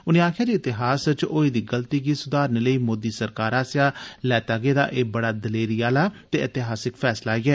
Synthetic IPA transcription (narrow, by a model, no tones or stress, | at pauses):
ʊnẽːaːkʰɪjaːd͡ʒiːɪt̪ɪɦaːst͡ʃoːiːd̪iːɡəlt̪iːɡiːsʊd̪aːɾnləiːmoːd̪iːsəɾkaːɾaːsɪjaːlɛːt̪aːɡeːd̪a̰ːʔeːbəɽaːd̪əleːɾijaːlaːt̪eːʔɪt̪ɪɦaːsɪkpʰɛːslaːiɡɛː